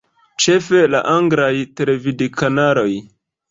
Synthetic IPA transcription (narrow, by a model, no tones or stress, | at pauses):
t͡ʃe̞fe̞laʔaŋɡɾajtele̞vidikanaɾo̞j